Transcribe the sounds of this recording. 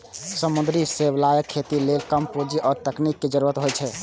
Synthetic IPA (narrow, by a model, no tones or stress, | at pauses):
səmund̪ɾiseblajəkʰːet̪ilelkəmpud͡ʒiʔɔːɾt̪əknikːed͡ʒəɾuɾət̪ɦojt͡ʃʰɛ